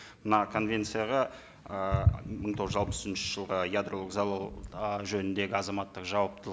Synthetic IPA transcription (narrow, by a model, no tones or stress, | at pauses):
mənɑkʰo̞nvʲe̞nt̪sɨjaʁɑ | əməɴt̪ʰo̞ʁʒəzɑlˠpə̥sɪnʃəʒ̥əlˠʁəjad̪ro̞lˠəkzɑlˠɑwʒɵnɪnd̪e̞ɡʲɪɑzɑmɑt̪ːəqʒɑwɑp̚t̪ʰəlˠəq